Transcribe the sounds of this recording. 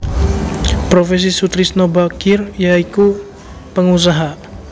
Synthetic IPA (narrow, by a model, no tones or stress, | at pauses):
pɾofɛs̬isut̪ɾisnobakirjaiku | pəŋus̬aɦa